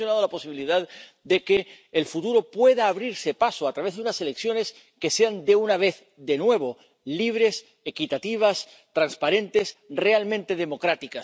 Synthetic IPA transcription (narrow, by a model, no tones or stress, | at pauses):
jonað̞olapo̞siβiliðað | d̪e̞keː | lfut̪uɾo̞pwe̞ðaːβ̞ɾiɾse̞pasoat̪ɾaβe̞zðunase̞le̞kθjo̞ne̞s | ke̞se̞and̪e̞unaβ̞e̞θ | d̪e̞nwe̞β̞o̞ | liβ̞ɾe̞s | e̞kit̪at̪iβ̞as | t̪ɾanspaɾẽ̞nt̪e̞sre̞almẽ̞nt̪e̞ð̞e̞mo̞kɾat̪ikas